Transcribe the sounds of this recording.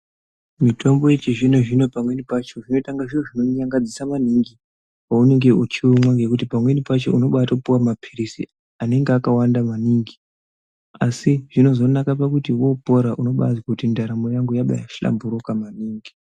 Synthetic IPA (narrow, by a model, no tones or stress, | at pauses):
mitʰo̞mbo̞je̞t͡ʃiʐino̞ʐino̞pamwe̞nipat͡ʃo̞ʐino̞taŋɡaʐioʐino̞ɲaŋɡad͡zisamaniŋɡi | waune̞ŋɡe̞ut͡ʃiwomwaŋɡe̞kutipamwe̞nipat͡ʃo̞̰ʔuno̞ɓatakupuwamapʰiɾisḭ | ane̞ŋɡeakawandamaniŋɡi | asiʐ̥ino̞zo̞nakapakutiwo̞po̞ɾaʔuno̞ɓa̰zwakutindaɾamo̞jaŋɡujaɓa̰ja̰ʃila̰mbuɾokamaniːŋɡi